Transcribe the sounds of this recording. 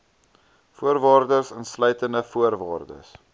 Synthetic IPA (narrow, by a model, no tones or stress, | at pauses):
fuərvɑːrdərsənslœɥtəndəfuərvɑːrdə̰s